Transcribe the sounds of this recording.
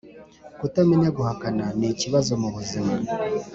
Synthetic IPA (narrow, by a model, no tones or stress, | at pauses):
kutamineɡuhakananiciβazomuβuzima